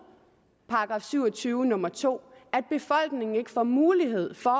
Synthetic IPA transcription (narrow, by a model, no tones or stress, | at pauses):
pʰɑ̈ɑɡ̥ʁɑ̈fsyʊ̰ɒt͡sʰyːʊənɔ̽mɐt͡sʰo̝̰ːæd̥̚b̥e̝fɒ̽l̰ɡ̥ne̝ŋ̩e̝ɡ̥əfɒ̰ːmuːliɦe̝ð̞̰ˠfɒ